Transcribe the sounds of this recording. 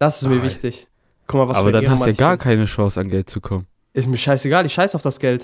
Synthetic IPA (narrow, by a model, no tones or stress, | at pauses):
d̥asɪstmiːɐvɪçtɪç | kʰɔmavaaːbɐdanhastːjaːɡaːɐkʰaɪnəʃɔŋsanɡɛlt̚t͡sukʰɔmən | ʔɪsmiːɐʃaɪseɡaːldiʃaɪsaʊfd̥asɡ̥ɛlt